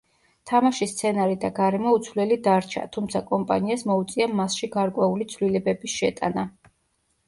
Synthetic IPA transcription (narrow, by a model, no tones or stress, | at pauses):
t̪ʰamaʃist̪sʰɛnaɾid̪aɡaɾɛmɔut̪sʰvlɛlid̪aɾt͡ʃʰa̰t̪ʰumt̪sʰakʼɔmpʼa̰niasmɔut̪sʼiamasʃiɡaɾkʼwɛulit̪sʰvlilɛbɛbisʃɛt̪ʼa̰na